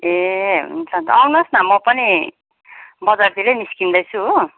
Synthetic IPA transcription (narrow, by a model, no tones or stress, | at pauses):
eɦṵnt͡sʰʌnt̪awnosnamʌpʌni | bʌd͡zart̪ileniskind̪ʌjt͡sʰuɦo